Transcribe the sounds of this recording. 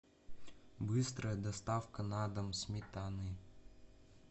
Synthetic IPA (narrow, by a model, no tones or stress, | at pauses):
bɨst̪ɾəjəd̪ɐst̪afkənad̪əmsʲmʲɪt̪anɨ